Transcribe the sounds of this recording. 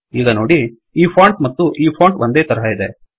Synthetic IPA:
iːɡɐnoːɽi | iːpʰaːɳʈmɐt̪ːuʔiːpʰoːɳʈʋʔond̪eːt̪ɐɾɐɦɐid̪e

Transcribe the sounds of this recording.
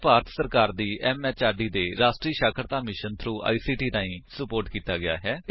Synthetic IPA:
paːɾət̪səɾkaːɾd̪iːʔɛːmɛːt͡ʃaːɖiːd̪eːɾaːsʈɾiːʃaːkʰəɾt̪aːmɪʃənt̪ʰɾuːʔa̰ːiːsiːʈiːt̪ãːĩːsəpoːɾʈkiːt̪aːɡɪja̰ːɦɛː

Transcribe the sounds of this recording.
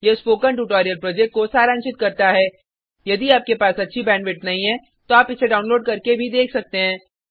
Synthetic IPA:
jespoːkə̃ɳʈ̬uːʈɔːɾijəlpɾɔːd͡ʒɛk̚ʈkosaːɾaːnʃɪt̪̚kɐɾt̪aɦɛː | jɐd̪iaːp̚kepaːsɐtːʃʰibɛ̃ːɳʋɪʈnɐɦĩɦɛ̃ | t̪oaːpɪseɖaːʊ̃nloːɖkɐɾkebʱid̪eːkʰsɐk̚t̪eɦɛ̃ː

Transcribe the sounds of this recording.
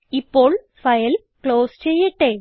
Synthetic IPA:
ipol | fajl | klost͡ɕejeʈe

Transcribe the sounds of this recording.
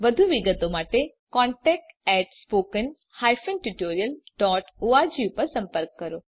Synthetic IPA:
ʋəd̪ʱuʋiɡət̪omaʈe | kɔ̃ɳʈɛk̚ʈɛʈspokən | hajfənʈuʈoɾijəlɖɔʈuad͡ʒiupəɾsə̃mpəɾkːəɾo

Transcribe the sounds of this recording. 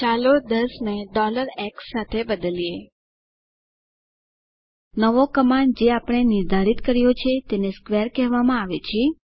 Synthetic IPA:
t͡ʃalod̪əsneɖɔləɾɛksːat̪ʰebəd̪əlie | nəʋokəmaɳd͡ʒeapəɳ̃enɪɾd̪ʱaɾit̪kəɾjot͡ʃʰet̪eneskʋeɾkɛɦʋamãaʋet͡ʃʰe

